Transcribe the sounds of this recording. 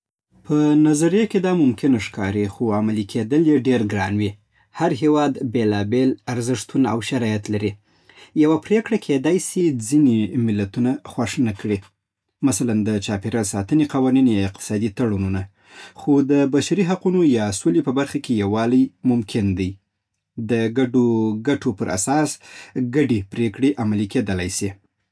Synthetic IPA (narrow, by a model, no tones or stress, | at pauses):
pənazaɾjaked̪ɑmʊmkʰɪnaʂkɑɾixoamalikʰed̪əljeɖeɾɡɾɑnwi | haɾɦewɑd̪belɑbelaɾzɪʂt̪una̰wʃaɾɑjat̪laɾi | jawapɾekɽakʰed̪ajsid͡zinimɪlːat̪unaxwaʂnakɽi | masaland̪ət͡ʃɑpeɾasɑt̪əneqawɑninjɑɪq̚t̪ɪ̥sɑd̪it̪aɽununa | xod̪əbaʃaɾiɦaqunojɑsolepəbaɾxakejawɑlajmʊmkʰɪnd̪aj | d̪əɡaɖoɡaʈopəɾʔa̰sɑsɡaɖepɾekɽeʔamaliked̪əlajsi